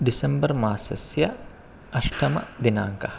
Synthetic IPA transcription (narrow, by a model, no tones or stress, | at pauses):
ɖisɐmbɐɾmaːsɐsjɐ | ɐʃʈɐmɐ̰d̪inaːŋkɐh